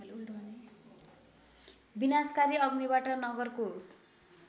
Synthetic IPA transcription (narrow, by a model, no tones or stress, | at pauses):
binaskaɾiʌɡniβaʈʌnʌɡʌrko